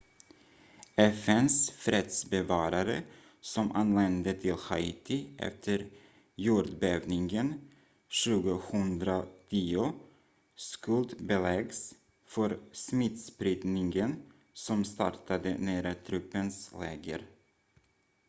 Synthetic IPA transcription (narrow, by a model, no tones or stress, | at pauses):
ɛfɛnsfɾɛt̪sbɛvɑːɾaɾə̰ | sɔmʔanlɛnd̪ət̪ʰɪlhaɪːt̪ʰɪʔɛ̰ft̪ʰəɾ | juːɾɖ̪beːvnɪŋɡən | ɕʉ̟ːɡəhɵnd̪ɾat̪ʰiːʊ | skɵld̪bɛlɛɡs | fœɾsmɪt̪spɾɪd̪nɪŋɡən | sɔmst̪ɑ̰ɾʈad̪ə̰næːɾat̪ʰɾɵpːənslɛ̰ːɡə̰ɾ